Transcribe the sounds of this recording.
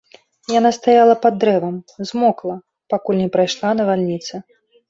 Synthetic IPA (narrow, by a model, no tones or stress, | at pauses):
jan̪ast̪ajalˠɐpad̪ːɾɛvɐmzmɔklˠɐ | pakulʲnʲɛpɾajʂlˠanɐvalʲnʲit̪sɐ